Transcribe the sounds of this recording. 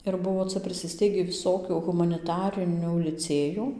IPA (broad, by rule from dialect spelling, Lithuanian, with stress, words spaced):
ɪr ˈbʊʋoː ˈt͡sɐ pʲrʲɪsʲɪˈsʲtʲɛɪɡʲiː ʋʲɪˈsoːkʲuː ɣʊmɐnʲɪˈtɑːrʲɪnʲuː lʲɪˈt͡sʲeːjuː